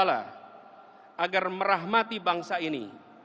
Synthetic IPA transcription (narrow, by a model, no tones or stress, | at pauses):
la̰ | ʔaɡarməɾaɦmat̪ibaŋsainḭ